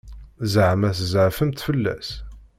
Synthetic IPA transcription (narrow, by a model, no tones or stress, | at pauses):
zʕmæθzəʕfəmt̪fəlːæ̰s